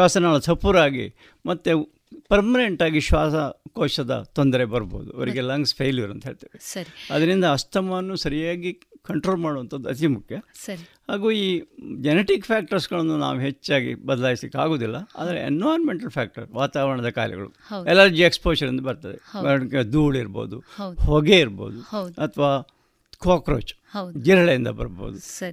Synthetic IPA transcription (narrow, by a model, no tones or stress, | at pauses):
aːsɐnaːɭusɐpuɾaːɡḭ | mɐt̪ːe | pɐɾmɐne̞ɳʈaːɡiʃʋaːsɐkoːʃɐd̪ɐ̰t̪ond̪ɐɾebɐɾbo̰ːd̪ṵɐ̰ʋɐɾiɡelɐŋɡspʰejliʋɐɾɐnt̪ɐɦeːɭt̪ɐːʋesɐɾiɐd̪ɐɾind̪ɐːst̪ʰɐmanːusɐɾijaːɡi | kɐɳʈɾoːlmaːɽoʋɐnt̪ʰɐd̪uɐt̪imukʰjɐsɐhaːɡuːiːd͡ʒeneʈikpʰjaːk̚ʈɐɾsɡɐɭɐnːuna̰ːʋuɦet͡ʃːaːɡḭbɐd̪ɐlaːjislikːa̰ːɡo̞ːd̪ilːɐa̰ːd̪ɐɾḛḛnːʋaːɾmeɳʈɐlpʰaːk̚ʈɐɾʋaːt̪aːʋɐɾɐɳɐd̪ɐkaːlɛ̰ɡɐ̰ɭṵɛlɐɾd͡ʒiekspoːt͡ʃɐɾiɐnd̪ɐbɐɾt̪aːd̪eɐked̪uːɭiɾbo̰ːd̪ṵhɔɡeiɾbo̰ːd̪uwɐt̪ʰɐʋaː | kaːkɾo̰ːt͡ʃhɐd͡ʒiɾɐɭɐind̪ɐ̰bɐ̰ɾbo̰ːd̪usɐi